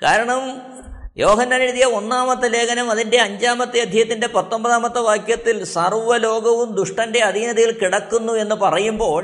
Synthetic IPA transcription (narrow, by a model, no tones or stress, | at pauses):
kaːɾɐɳɐm | jʔo̞ːɦɐnːaːniiðijɐo̞nːaːmɐt̪ːɐle̞ːkʰɐnɐmɐðinde̞ɐɲd͡ʑaːmɐt̪ːɐjɐd̪ʱjɐjɐt̪ːinde̞pɐt̪ːo̞mbɐðaːmɐt̪ːɐʋaːkjɐt̪ːilsɐrʋɐlo̞ːɡɐʋumd̪uʂʈɐnde̞ɐðinɐðɐjilkiɽɐkːunːue̞nːupɐrɐjumbo̞ːɭ